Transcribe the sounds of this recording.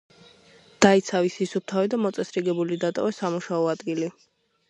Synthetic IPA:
d̪̥ait̪sʰavisisup̚t̪ʰavɛd̪amɔt̪sʼɛsɾiɡɛbulid̪at̪ʼɔ̰vɛsamuʃaɔad̪ɡili

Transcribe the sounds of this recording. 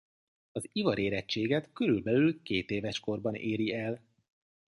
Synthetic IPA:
ɒzivɒɾeːɾɛt͡ʃːeːɡɛt̪køɾylbɛlylkeːt̪eːvɛʃko̞rbɒnʔeːɾiɛl

